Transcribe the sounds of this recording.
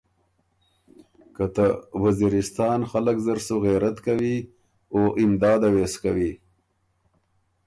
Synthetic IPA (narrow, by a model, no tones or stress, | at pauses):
kat̪awaziɾɪst̪ɑːnxaləkzaɾsoɣeɾat̪kawi | oʔɪmd̪ɑːd̪aweskawi